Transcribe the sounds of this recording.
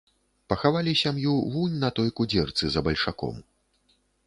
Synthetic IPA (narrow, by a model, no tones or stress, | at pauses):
pɐxavalʲisʲamjuvunʲnɐt̪ɔjkud͡zʲɛrt̪sɨzɐbɐlʲʂakɔ̰m